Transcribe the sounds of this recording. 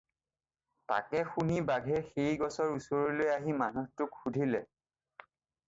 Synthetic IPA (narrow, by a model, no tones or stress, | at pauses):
ta̰kɛxunibaɡʱɛxejɡɔsɔɹusoɹilojaɦimanuhtʊkxudʱilɛ